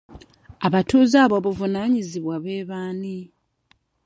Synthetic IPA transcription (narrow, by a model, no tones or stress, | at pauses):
aβatuːzaːβo̞βuvunaːɲiziβwaβe̞ːβaːni